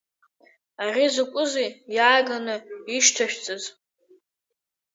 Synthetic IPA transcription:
arizɨkʷʼʊzijjaːɡanɨiʃtʰaʃᶣt͡sʼɨz

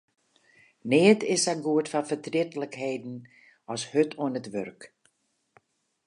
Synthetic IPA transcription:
neətɪsaɡuətfɔnfətrɪtələkheːdn̩ | ɔshøtʰoənətʋørk

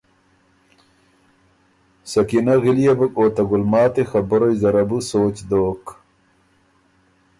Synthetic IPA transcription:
sɐkinɐɣilijɐbɐkoːt̪ɐɡulmaːt̪exɐbɐɾojzɐɾɐbusoːt͡ɕd̪oːk

